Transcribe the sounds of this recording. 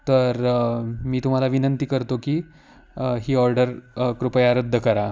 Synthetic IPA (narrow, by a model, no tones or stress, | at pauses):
t̪əɾmiːt̪um̤alaʋinənt̪iːkəɾt̪okiː | ɦiːɔɾɖəɾkɾupəjaɾəd̪ʱːəkəɾa